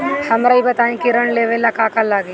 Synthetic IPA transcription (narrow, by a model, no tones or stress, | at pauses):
hɐmɾaibɐt̪aːẽkiɾəɳleʋelakaːkalaːɡe